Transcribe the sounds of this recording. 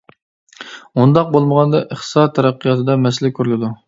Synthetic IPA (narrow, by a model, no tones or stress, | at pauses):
und̪ɑq̚bolˠməʁɑnd̪ɑʔəχt̪ɨ̥sɑt̪ʰːɛɾæqʰːijɑt̪ʰɨd̪ɑmɛslɪkʲʰøɾlɪd̪u